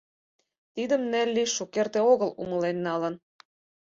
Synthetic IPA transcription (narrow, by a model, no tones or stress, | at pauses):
t̪id̪ə̆mnelʲːiʃukert̪eoɣəlṵməlenːɑlə̆n